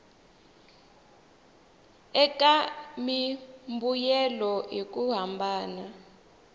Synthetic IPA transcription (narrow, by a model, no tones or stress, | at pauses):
ɛkamimbujɛlɔjik̬ʼuɦambʱaːna